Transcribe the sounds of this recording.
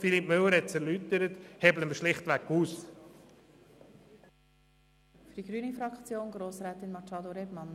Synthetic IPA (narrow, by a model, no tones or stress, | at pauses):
filip̚mʏlːəɾɛt͡sɛɾlytəɾət̪hɛbləməʃlɪχt̪ʋækuːs | fy̥d̥iɡɾyːnifɾɑkt͡sjoːnɡɾoːsɾɛːt̪ɪnmɑt͡ʃɑːd̪oɾɛmɑn